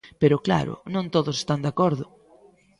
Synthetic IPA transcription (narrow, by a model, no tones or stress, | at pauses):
peɾʊkla̰ɾʊ̰nõŋt̪oðʊse̥st̪and̪akɔɾðʊ